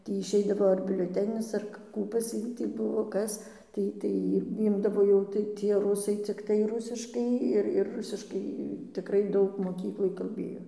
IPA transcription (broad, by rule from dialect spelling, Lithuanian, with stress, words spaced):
ˈtʲiː ɪʃʲˈɛɪdɐʋoː ɐr bʲʊlʲoːˈtʲæːnʲɪs ˈɐr ˈkuː pɐs ˈjiː tʲiː ˈbʊʋoː ˈkɐs ˈtɐɪ tɐɪ ˈiː ˈɪmdɐʋoː jɛʊ tɐɪ tʲiɛ rʊˈsɐɪ t͡sʲɪkˈtɐɪ ˈrʊsʲɪʃkɐɪ ˈɪr ɪr ˈrʊsʲɪʃkɐɪ tʲɪˈkrɐɪ ˈdɐʊk moːˈkʲiːklˠoːj kɐlʲˈbʲeːjoː